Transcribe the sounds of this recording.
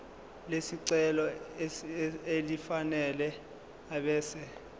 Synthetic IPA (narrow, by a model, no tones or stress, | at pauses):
lesiǀɛlɔ | elifanɛlɛ | aɓɛːsɛ